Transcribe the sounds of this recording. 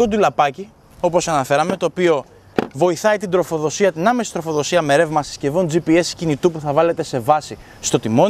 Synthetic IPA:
o̞d̪ulɐpɐci | o̞po̞sɐnɐfe̞ɾɐme̞t̪o̞ːpio̞ | vo̞iθɐit̪ind̪ɾo̞fo̞ðo̞siɐt̪inɐmesi̥t̪ɾo̞fo̞ðo̞siɐmeɾe̞vmɐsi̥sce̞vo̞nd͡zipie̞scinit̪upuθɐvɐle̞t̪e̞se̞vɐsi | st̪o̞t̪imo̞

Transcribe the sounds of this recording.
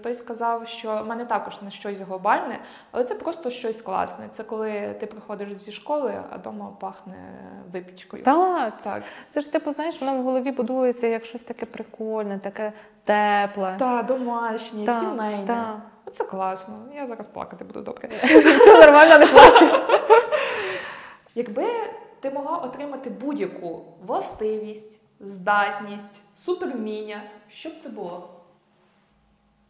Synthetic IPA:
t̪ɔjskɐzɑwʃt͡ʃɔmɛnɛt̪ɑkɔʒnɛʃt͡ʃɔsʲɦlˠɔbɑlʲnɛ | ɐlˠɛtsɛpɾɔst̪ɔʃt͡ʃɔsʲklˠɑ̰snɛ̰t̪sɛkɔlˠɪt̪ɪpɾɪxɔd̪ɪʃzʲiʃkɔlˠɪɐ̰d̪ɔmɐpɑxnɛ̰ʋɪpʲit͡ʃkɔjʊ̰t̪ɑ̰kt̪sɛʃt̪ɪpʊznɑjeʃʋɔnwɦɔlˠɔʋʲibʊd̪ujet͡sʲːɐijɐkʃt͡ʃɔsʲt̪ɐkɛpɾɪkɔlʲnɛt̪ɐkɛ | t̪ɛplˠɛt̪ɑd̪ɔmɑʃnʲit̪ɑsʲimɛjnaɛ | ɔt̪sɛklˠɑsnɔjazɑɾɐsplˠɑ̰kɐt̪ɪbud̪ṵd̪ɔ̰bkeɛnɔrmɑlʲnɔneplˠasi | jɐɡbɪ | t̪ɪmɔɦlˠɑʔɔt̪ɾɪmɐt̪ɪbudʲjɐku | ʋlˠɐst̪ɪʋʲisʲtʲ | zd̪ɑtʲnʲisʲtʲsupermʲinʲɐʃt͡ʃɔb̚t̪sɛbʊlˠɔ

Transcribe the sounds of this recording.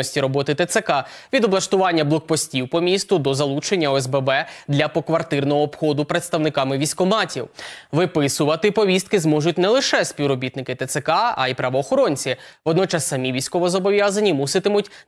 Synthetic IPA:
ɔsʲtʲiɾɔbɔt̪ɪt̪et̪sekɑ | ʋʲid̪ɔblˠɐʃt̪ʊʋɑnʲːɐblˠɔk̚pɔsʲtʲiwpɔmʲist̪ʊd̪ɔzɐlˠut͡ʃe̞nʲːɐɔɛzbɛbɛd̪lʲɐpɔkʋɐrt̪ɪrnɔɦɔːpxɔd̪ʊpɾet̪st̪ɐwnɪkɑmɪʋʲisʲkɔmɑtʲḭwʋɪpɪsʊʋɐt̪ɪpɔʋʲist̪̚kɪzmɔʒʊtʲnɛlˠɪʃɛsʲpʲiwɾɔbʲit̪nɪkɪt̪et̪sekɑɐ̰ipɾɐʋɔːxɔɾɔnʲt͡sʲiʋɔd̪nɔt͡ʃɑsːɐmʲiʋʲijsʲkɔʋɔzɔbɔʋʲjazɐnʲːimusɪt̪ɪmʊtʲ

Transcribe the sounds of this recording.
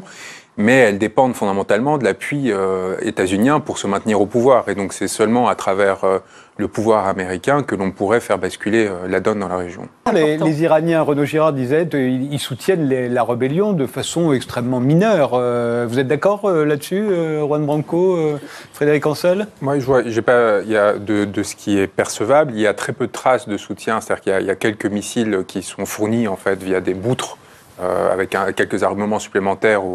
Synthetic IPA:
mɛɛld̪epɑ̃d̪fɔ̃d̪amɑ̃t̪almɑ̃d̪əlapɥiøet̪azynjɛ̃puʁsəmɛ̃t̪niʁopuvwaːʁed̪ɔ̃ksɛsœlmɑ̃at̪χavɛʁø | ləpuvwaʁameʁikʲɛ̃kəlɔ̃puʁɛfɛʁbaskʲyleølad̪ɔnd̪ɑ̃laʁeʒjɔ̰̃leleziʁanjɛ̃ʁənoʒiʁaʁd̪izɛt̪iilsut̪jɛnlelaʁəbɛljɔ̃d̪əfasɔ̃ɛkst̪χɛmːɑ̃minœːʁøvuzɛt̪̚d̪akɔʁølad̪əsyøʁwanbʁɑ̃koø | fχed̪eʁikɑ̃sɛlmwaʒvwaʒepailjad̪əd̪əsə̥kʲʰiɛpɛʁsəvabliljat̪χɛpød̪ət̪χasd̪əsut̪jɛ̃set̪ad̪iʁkiljaḭljakʲɛlkəmisilkʲʰisɔ̃fuʁniɑ̃fɛt̪vijad̪ebut̪χ | ø̰a̰vɛkɛ̃kʲːɛlkəzaʁməmɑ̃sy̥plemɑ̃t̪ɛːʁu

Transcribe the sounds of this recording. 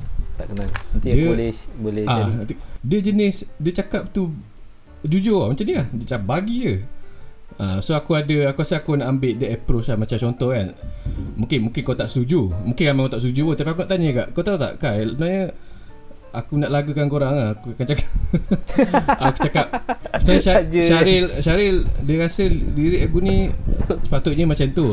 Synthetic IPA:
t̪aʔkənaidəlɛbolɛadəd͡ʒənɪsdət͡ʃakap̚t̪u | d͡ʒud͡ʒomat͡ʃamdəladət͡ʃakap̚baɡiə | əsoakuadəakuasiakunaʔambɪʔ̚dəɛpɾot͡ʃlahmat͡ʃamt͡ʃɔnt̪ɔhkanmũŋkɪnmũŋkɪnkawt̪aʔst̪ud͡ʒumũŋkɪnamakot̪aʔst̪ud͡ʒupʊnt̪apiak̬unaʔt̪aɲəɡa̰ʔkawt̪aut̪a̰ʔkajubənaɲə | akunaʔlaɡəkankoɾaŋahkuakant͡ʃakḁp̚ | aku̥t͡ʃakap̚subənaɲəaʃaɾɪlʃaɾɪldiəɣasəliɾɪʔakunisə̥pat̪ʊt̪̚ɲəmat͡ʃant̪u

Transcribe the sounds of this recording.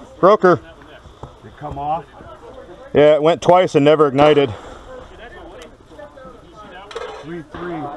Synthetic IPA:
b̥ɹoʊkə˞ | kʰʌm | jæɪt̚wɛ̃ntʰw̥aɪsɨ̃nːɛvə˞ɨɡ̚naɪɾɨd̥̚ | θɹiθɹi

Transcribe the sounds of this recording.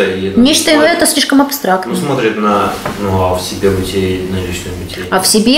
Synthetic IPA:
əinʲet͡ɕt̪əɪɛt̪əsʲlʲiʂkəmɐpst̪ɾakt̪nusmot̪ɾʲɪt̪nɐnuɐfsʲɪbʲebʊtʲenɐlʲit͡ɕnəjmʲɪtʲeɐfsʲɪbʲe

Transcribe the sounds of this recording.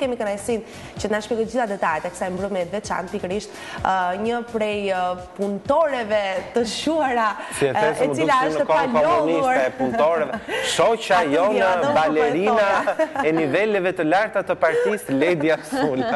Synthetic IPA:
kɛmikənajsin | t͡ɕənaʃkɛɡəd͡ʑiθad̪ɛt̪ajɛt̪ɛkəsajmbɾumɛt̪vɛt͡ʃa̰nt̪pikəɾiʃt̪ | ɲəpɾɛjpunt̪ɔɾɛvɛt̪əʃuaɾasiɛfɛɾɛmədiulaəət̪əkɔalkɔmɔniuaɾaɛpunɔɾɛvɛʃɔt͡ʃajɔnəbalɛɾinaaɛnivɛlɛvɛt̪əlaɾt̪at̪əpaɾt̪islɛd̪iasula

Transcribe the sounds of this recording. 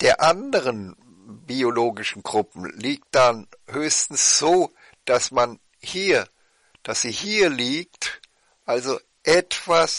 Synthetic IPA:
d̥eːɐʔandəʁən | bioloːɡɪʃn̩ɡʁʊpm̩liːk̚td̥anhøːçstn̩sz̥oː | d̥asman | hiːɐ | d̥asz̥iːhiːɐliːk̚t | ʔalzo | ʔɛtv̥as

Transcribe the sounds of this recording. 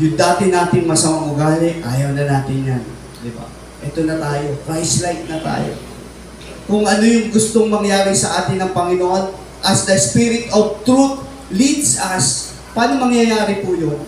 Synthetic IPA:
jʊŋd̪aːt̪ɪnaːt̪ɪŋmɐsɐmaŋʊɡaːlɪʔaːjɐwnɐnaːt̪ɪnjan | d̪ɪba̰ | ʔɛt̪onɐt̪aːjo̞kɾajslajt̪̚nɐt̪a̰ːjo̰ | kʊŋʔɐnojʊŋɡʊst̪oŋmɐŋjaːɾɪsɐʔaːt̪ɪnɐŋpɐŋɪnoʔon | ʔɐsd̪ɐɪspiɾɪt̪oɡ̚t̪ɾut̪̚ | lid̪sɐs | paːnomɐŋjɐjaːɾɪpujo

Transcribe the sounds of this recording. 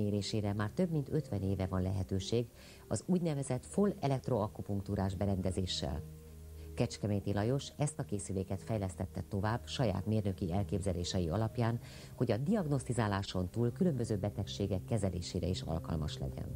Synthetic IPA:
eːɾeːʃeːɾɛmaːrt̪ø̞bmint̪ø̞t̪ʋɛneːvɛvɒnlɛɦɛt̪øːʃeːɡ | ɒzuːɟnɛvɛzɛt̪folɛlɛk̚t̪ro̞ɒkːupuŋk̚t̪uɾaːʒbɛɾɛnd̪ɛzeːʃːɛ̰l | kɛt͡ʃkɛmɛjt̪ilɒjo̞ʃɛst̪ɒkeːsyleːkɛt̪fɛjlɛst̪ɛt̪ːɛt̪o̞vaːbʃɒja̰ːt̪meːrnø̞kiɛlkeːbzɛleːʃɛjiɒlɒpjaːn | ho̞ɟɒd̪iɒɡno̞st̪izaːlaːʃo̞nt̪uːlkylø̞mbø̞zøːbɛt̪ɛkʃeːɡɛkːɛzɛlḛːʃeːɾɛiʃɒ̰lkɒ̰lmɒ̰ʃlɛ̰ɟɛ̰n

